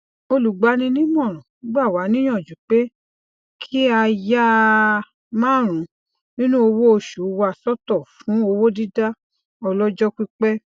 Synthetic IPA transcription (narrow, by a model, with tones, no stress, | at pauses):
o˧lu˨ɡ͡ba˨˦nĩ˧nĩ˦mɔ̃˦˨ɾ̃ɔ̃˨˦ɡ͡ba˦˨wa˨˦nĩ˦j̃ɔ̃˦˨d͡ʒu˨k͡pe˦ | kʰi˦a˧ja˦ | mãː˦ɾ̃ũ˨˦ | nĩ˦nũ˦o˧wo˦o˧ʃu˨˦wa˧sɔ˦tɔ˦˨fũ˨˦o˧wo˦di˦da˦ | ɔ˧lɔ˦d͡ʒɔ˦ki˦k͡pɛ˦